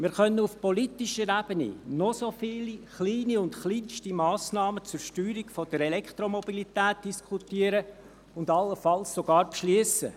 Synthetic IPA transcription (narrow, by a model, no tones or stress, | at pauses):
mɪːɾχœnːəufpɔlit̪iʃəɾæb̥ənḭnɔsofiːliχliːniʊntχliːnʃtimɑːsnɑːmət͡sʊɾʃtyːɾikfɔd̥əɾɛlɛkt̪ɾɔmɔbilit̪æːt̚d̥iskʰut̪iəɾə | ʊndɑlːəfɑlssoɡ̥ɑːɾpʃliəsə̰